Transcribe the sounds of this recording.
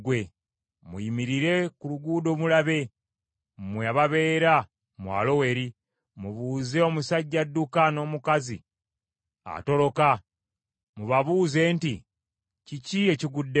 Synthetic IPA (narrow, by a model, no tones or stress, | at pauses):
ɡwe | muimiɾiɾe̞kuluɡuːdo̞ːβulaβe̞ | mweaβaβe̞ːɾa | mwa̰ːlo̞we̞ɾi | muβuːze̞o̞musaɟːadːukano̞ːmukazḭ | a̰to̞ɾo̞ka | muβaβuːze̞ːnti | cicie̞ciɡudːe